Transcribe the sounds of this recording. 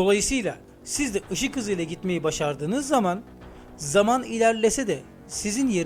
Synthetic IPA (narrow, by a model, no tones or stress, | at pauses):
d̪o̞lˠajɯsɯjlˠa | sizd̪ɛʔɯʃɯkɯzɯjlˠaɟit̪me̞jibaʃaɾd̪ɯːnɯzːaman | zamanilʲæɾlʲesɛd̪ɛ | sizinjeɾ